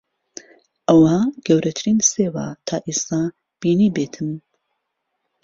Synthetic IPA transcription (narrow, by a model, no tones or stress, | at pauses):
ʔɐwaɡ̥ɐwɾɐt̪ʰɨɾiːnseːwa̰t̪ʰaːʔeːst̪aː | b̥iːniːbeːt̪ʰɨm